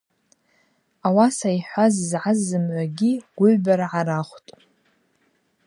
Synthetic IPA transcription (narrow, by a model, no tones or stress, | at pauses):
awasajħʷazzʕazːɨmʕʷaɡʲiɡ̥ʷʊʕbaɾaʕaɾaχʷtʼ